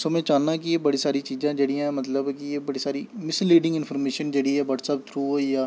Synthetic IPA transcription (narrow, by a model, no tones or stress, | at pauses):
somɛ̃ːt͡ʃaːnːak̬ijeːbəɽisaːɾit͡ʃiːzãːd͡ʒeɽiãɦɛmət̪ləbkijebəɽisaːɾimɪslːiːɖɪ̃ŋɡɪnpʰəːɾmeːʃənd͡ʒeːɽiɦɛːʋəːʈsaːp̚t̪ʰɾuːojaː